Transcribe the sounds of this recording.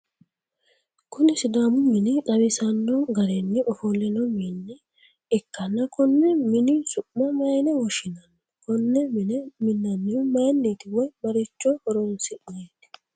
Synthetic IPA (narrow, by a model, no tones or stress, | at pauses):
kʊnɪsɪd̪aːmʊmɪnɪᶑɐβɪsɐnːɔɡɐɾenːɪʔɔfɔlːɛnɔminːɪ | ɛkːɐnːɐkɔnːɛmɪnɪsʊʔːɐmɐjnɛwɔʃɪnɐnː | kɔnːɛmɪnɛmɪnːɐnːɪjʊmɐjnːeːt̪ɪwɔjbɐɾɪt͡ʃːɔhɔɾonsɪɐjet̪ɪ̥